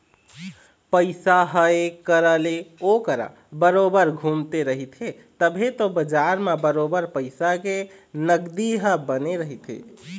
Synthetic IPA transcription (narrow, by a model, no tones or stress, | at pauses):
pəɪsaɦəekəɾəleokəɾa̰ | bəɾobəɾɡʱumt̪eɾəɦit̪ʰe | t̪əbʱet̪obəd͡ʒaɾmebəɾobəɾpəɪsakenəɡd̪iɦəbəneɾəɦit̪ʰḛ